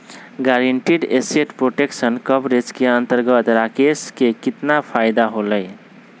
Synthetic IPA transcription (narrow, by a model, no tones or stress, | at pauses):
ɡaɾeɳʈiɖeseʈpɾoʈeksənkəbɾed͡ʒkeənt̪əɾɡət̪ɾakeskekit̪napʰajd̪aɦoləj